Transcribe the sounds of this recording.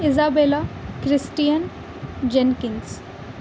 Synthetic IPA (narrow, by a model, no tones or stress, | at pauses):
izaːbeːlakɾisʈijan | d͡ʒenkiŋs